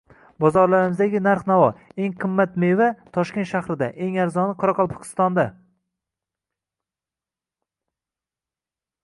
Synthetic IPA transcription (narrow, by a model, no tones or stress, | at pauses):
bɒzɒɾlaɾɪmɪzd̪aɡʲɪnaɾχnavɒe̞ŋqʰɨmːat̪me̞vat̪ʰɒʃkʲent̪ʃahɾɪd̪aʔe̞ŋaɾzɒnɨqʰɒɾɑqʰɒlˠpʰɒ̥kʰʲɪ̥st̪ɒnd̪a